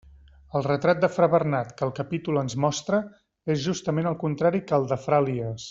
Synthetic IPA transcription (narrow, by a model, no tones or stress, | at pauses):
əlˠrət̪ɾat̪̚d̪əfɾəβərnat̪kəːlˠkəpit̪ulənzmɔst̪ɾə | ezʒust̪əmenəlˠkunt̪ɾaɾikəlˠd̪əfɾaliəs